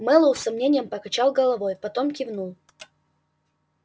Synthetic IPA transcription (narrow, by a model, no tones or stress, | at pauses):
mɛlˠəwsɐmnʲenʲɪjəmpɐkɐt͡ɕalˠɡəlˠɐvojpɐt̪omkʲɪvnulˠ